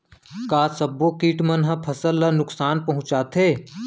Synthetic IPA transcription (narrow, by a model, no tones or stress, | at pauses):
kaːsɐbːokiːʈmɐnɦɐ̃pʰɐsəlːɐnʊksaːnpɐɦʊ̃t͡ʃaːt̪ʰeː